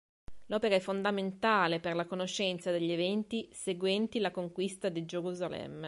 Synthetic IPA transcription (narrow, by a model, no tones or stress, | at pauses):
lɔːpeɾaɛfːond̪ament̪aːleperlakonoʃːɛnt̪sad̪eʎːevɛnt̪iseɡwɛnt̪ilakoŋkwist̪ad̪id͡ʒeɾuzalɛ̰mː